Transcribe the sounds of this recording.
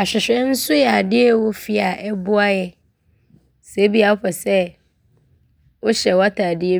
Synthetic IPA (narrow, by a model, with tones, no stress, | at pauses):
a˨ɕᶣɪ˨ɕᶣɛ̃˦n̩˦sʊ˦jɛ˨a˨dɪ˦ɛ˦wo˦fi˦a˨ʔɛ˦bʊ˦a˦jɛ˦ | se˨˦bi˦a˨˦ɸɛ˨sɛ˦ | wo˦ɕɛ˨wa˦tʰaː˨dɪ˦ɛ˦